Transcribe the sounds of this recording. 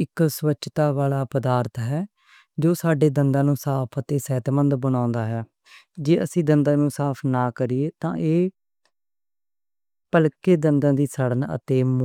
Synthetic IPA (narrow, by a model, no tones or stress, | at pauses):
ɪksʋəːʃʰt̪aːʋaːlaːpəd̪aːɾt̪ɦɛː | d͡ʒoːsaːɖeːd̪ənd̪ãːnũːsaːpʰət̪eːsɛːt̪mənd̪bəɽ̃ãːnd̪aːɦɛː | d͡ʒeːəsĩːd̪ənd̪ãːnũːsaːpʰnaːkəɾiːeːt̪ãːʔeː | pəlkeːd̪ənd̪ãːd̪iːsəɽənə̰t̪eːm